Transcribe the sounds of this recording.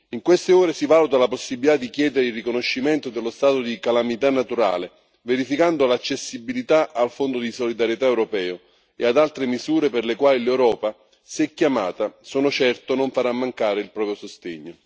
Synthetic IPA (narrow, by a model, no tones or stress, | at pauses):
iŋkwest̪eoːɾesivaːlut̪alaposːibilit̪ad̪ːikjɛːd̪eɾeilrːikonoʃːimɛnt̪od̪elːost̪aːt̪od̪ikalamit̪anːat̪uɾa̰ːle | veɾifikand̪olat͡ʃːesːibilit̪aʔalfond̪od̪isolid̪aɾjet̪aɛwɾopɛːo | ḛad̪alt̪ɾemizuːɾeperlekwaːlilɛwɾɔːpa | sɛkjama̰ːt̪asoːnot͡ʃɛrt̪onoɱfaɾamːaŋkaːɾeilpɾɔːpjosost̪eɲːo